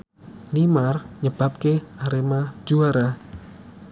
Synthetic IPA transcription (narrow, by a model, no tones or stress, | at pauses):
limarɲəb̥a̤p̚keaɾemḁd͡ʒ̥uaɾa